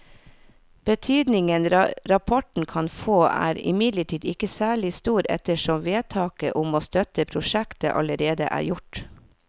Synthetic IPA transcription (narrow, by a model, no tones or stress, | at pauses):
b̥ət̪ʰyːd̪nɪŋənɾɑpʰɔʈn̩kʰɑnfoːʔæ̰ːɾɪ̰mɪd̪ləʈʰiːd̪ɪkəsæːɭɪst̪uːɾɛ̰t̪əʂɔmʋeːt̪ʰɑːkə̰ʔʊmoːst̪œt̪əpʰɾʊʃɛkt̪ə̰ʔɑ̰ləɾeːd̪ə̰ʔæ̰ːɾjʊʈ